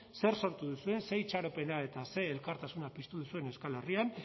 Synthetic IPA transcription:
se̞ɾso̞ɾt̪uðusue̞nse̞jt͡ʃaɾope̞nae̞t̪ase̞ːlkaɾt̪asunapist̪uðusue̞newskale̞rian

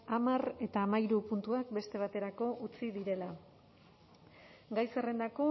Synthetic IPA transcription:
amare̞t̪aːmaiɾupunt̪uak̚be̞st̪e̞β̞at̪e̞ɾako̞ʔut͡siðiɾe̞la | ɡajse̞re̞nd̪ako̞

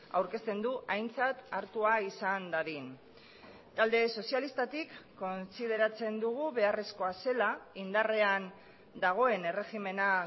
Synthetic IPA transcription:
a̰wɾke̞st̪e̞nd̪uʔajnt͡sat̪aɾt̪uaisand̪aɾin | t̪ald̪e̞so̞sialist̪at̪ikːo̞nsið̞e̞ɾat͡se̞nd̪uɣ̞uβe̞are̞sko̞ase̞laind̪are̞an | d̪aɣ̞o̞e̞ne̞re̞xime̞na

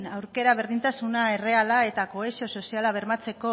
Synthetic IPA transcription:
nawɾke̞ɾaβ̞e̞ɾðint̪asunae̞re̞alae̞t̪ako̞esio̞so̞sialaβ̞e̞ɾmat͡se̞ko̞

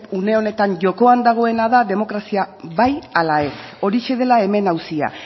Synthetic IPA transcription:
pune̞o̞ne̞t̪aɲʝo̞ko̞and̪aɣ̞o̞e̞naðaðe̞mo̞kɾasiaβajalae̞o̞ɾiʃe̞ð̞e̞lae̞me̞nawsia̰

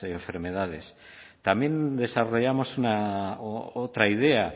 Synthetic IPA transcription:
eːɱfe̞ɾme̞ð̞að̞e̞s | t̪amje̞nd̪e̞saro̞ʝamo̞suna | ot̪ɾaið̞e̞a

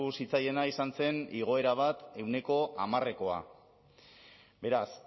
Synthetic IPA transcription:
usit͡saje̞naisanse̞niɣ̞o̞e̞ɾaβ̞at̪e̞wne̞ko̞ʔamare̞ko̞a̰ | be̞ɾas

